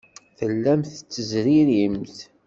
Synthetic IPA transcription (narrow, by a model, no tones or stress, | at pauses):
θəlːæmθt͡sːəzɾiɾimθ